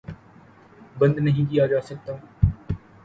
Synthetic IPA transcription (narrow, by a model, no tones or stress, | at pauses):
bə̃nd̪nəɦĩk̪ijaːd͡ʒaːsək̚t̪ãː